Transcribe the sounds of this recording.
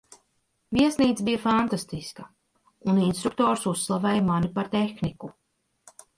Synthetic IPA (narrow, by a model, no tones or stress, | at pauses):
viɛsniːt̪sbijafant̪ast̪iskɐ | uninst̪ɾuk̚t̪ɔːɾsusːlˠavɛːjmanipaɾt̪exniku